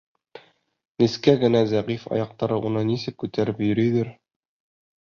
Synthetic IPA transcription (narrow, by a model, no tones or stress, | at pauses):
nĭskæɡɘ̆næzæʁifɑ̰jɑq̚t̪ɑɾɤʔunɤnisɘp̚kʉt̪æɾɘpjɵ̆ɾɵ̆jd̪ɘɾ